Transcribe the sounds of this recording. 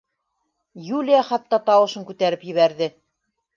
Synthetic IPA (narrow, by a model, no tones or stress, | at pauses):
julʲijaχɑt̪ːɑt̪ɑwɤ̆ʃɤŋkʉt̪æɾɘpjɘ̆βæɾðɘ